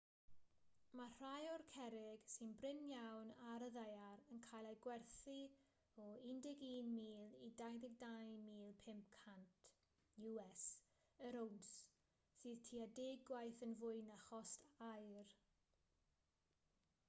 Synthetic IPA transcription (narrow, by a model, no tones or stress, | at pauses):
mar̥ajɔrkʰɛɾɪɡ̥sɪnbrɪnjawnaɾəðajaɾənkʰajlˠajɡwɛrθi | ɔɪndɪɡiːnmiːlˠidajðɪɡ̚dajmiːlˠpʰɪmp̚kʰantʰ | juɛs | əɾowns | sɨːð̥tʰiːadeːɡwajθənvʊɨnaχɔstʰajr